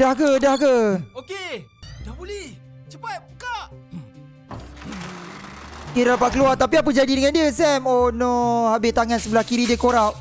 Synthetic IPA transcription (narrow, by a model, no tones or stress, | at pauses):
dahɡədahɡəokedahbolɛh | t͡ʃəpat̪̚bəkaʔ | keɾaɾapaʔkəluart̪apiapəd͡ʒadidəŋandiəsɛmonɔhabɪt̪aŋãnsəbəlahkiɾidiəkoɾap̚